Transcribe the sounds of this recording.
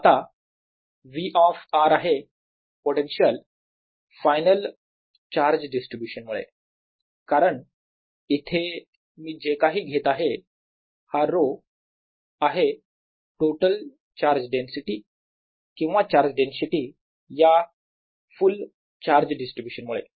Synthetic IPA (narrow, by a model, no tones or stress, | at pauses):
at̪a | ʋiʔɔfaɾaɦe | poʈenɕəl | fajnəl | t͡ɕaɾd͡ʑɖisʈɾibjuɕənmuɭḛ | kaɾəɳ | it̪ʰe | miːd͡ʑekaɦiːɡʱet̪aɦe | haɾo | aɦe | ʈoʈəl | t͡ɕaɾd͡ʑɖensiʈi | kĩw̃ʋat͡ɕaɾd͡ʑɖensiʈi | ja | ful | t͡ɕaɾd͡ʑɖisʈɾibjuɕənmuɭḛ